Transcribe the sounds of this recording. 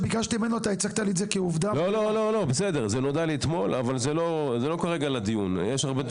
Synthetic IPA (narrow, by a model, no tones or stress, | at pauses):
biɡaʃt̪imenoat̪aet͡sakt̪alizekeuvd̪alololo̞lo̞besed̪eʁzeno̞d̪aliːt̪mo̞lavalzelo̞zelo̞kaʁeɡalad̪ijunjɛʃaʁbe